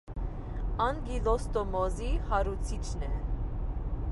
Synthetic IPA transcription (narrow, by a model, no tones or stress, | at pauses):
ɑnɡilɔst̪ɔmɔzihɑɾut͡sʰit͡ʃʰnɛ